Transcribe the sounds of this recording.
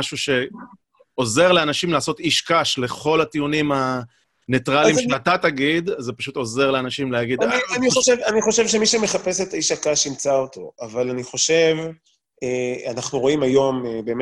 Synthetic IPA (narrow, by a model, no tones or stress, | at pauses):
aʃuʃe̞ | o̞ze̞ʁleanaʃimlaːso̞t̪iʃkaʃle̞χo̞lat̪iunima | netʁallimʃelat̪ataɡid̪zepaʃut̪o̞ze̞ʁleanaʃimleaɡidanianioʃevaniχo̞ʃevʃemiʃeme̞χape̞set̪aiʃakaʃimt͡saoto̞̰avalaniχo̞ʃe̞v | eanaχnuʁo̞imajo̞mebe̞ːm